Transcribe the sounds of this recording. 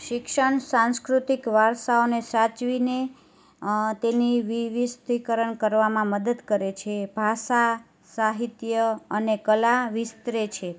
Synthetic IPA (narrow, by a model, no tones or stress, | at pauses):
ʃɪkʃəɳsãnskɾut̪ikʋaɾʃaonesat͡ʃʋine | t̪eniʋiʋist̪ikəɾəɳkəɾʋamãməd̪əd̪kəɾet͡ʃʰebʱaʃa | saɦit̪jəənekəlaʋist̪ɾet͡ʃʰe